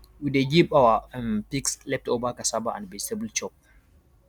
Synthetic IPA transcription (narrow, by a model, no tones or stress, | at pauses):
wideɡibawampikslɛp̚tobakasabaʔã̰nbɛsɛbəlt͡ʃɔp̚